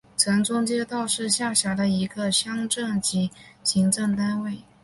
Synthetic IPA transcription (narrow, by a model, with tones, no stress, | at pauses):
t͡sʰɤ˧˥ŋʈ͡ʂʊ˥ŋt͡ɕjɛ˥t̪ɑ˥˧ʊʂɻ̩˥˧ɕja˥˩ɕja˧˥d̪ə˧i˧˥ɡə˧ɕjɑ˥ŋʈ͡ʂɤ˥˩ŋt͡ɕi˧˥ɕi˧˥ŋʈ͡ʂɤ˥˩ŋt̪a˥nwe˥˩ɪ